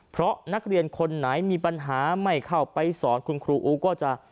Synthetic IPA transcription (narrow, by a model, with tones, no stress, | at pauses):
pʰɾɔ˦˥na˦˥k̚ɾi˧ənkʰo˧nːaː˩˦jmiː˧pa˧nɦaː˩˦ma˥˩jkʰa˥˩wpa˧jsɔː˩˦nkʰu˧nkʰɾuː˧ʔuː˧kɔː˥˩t͡ɕa˧ʔ